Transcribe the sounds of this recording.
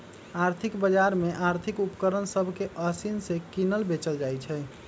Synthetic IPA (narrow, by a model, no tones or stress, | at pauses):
aɾt̪ʰikbəd͡ʒaɾmeʔaɾt̪ʰikupkəɾənsəbʱkeʔəsinsekinəlbet͡ʃəld͡ʒajt͡ʃʰɛ